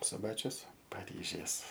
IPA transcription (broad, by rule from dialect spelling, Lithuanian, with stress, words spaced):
sʊˈbɑːt͡ʃʲʊs pɐˈrʲiːʒʲeːs